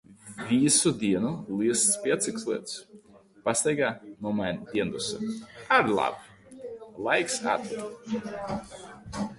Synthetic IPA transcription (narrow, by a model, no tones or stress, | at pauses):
vʲisud̪iɛnulˠiɛst̪spʲiat̪sikslˠiɛt̪s | past̪ajɡaːnuɔmajnd̪ʲiɛnd̪usa̰aɾlˠa̰b | lˠajksa̰t̪likt̪